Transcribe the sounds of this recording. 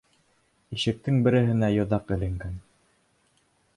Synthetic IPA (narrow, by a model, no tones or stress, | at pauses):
iʃɘ̆k̚t̪ɘŋbɘ̆ɾɘ̆ɦɘ̆næjŏðɑqɘ̆lɘ̆ŋɡæn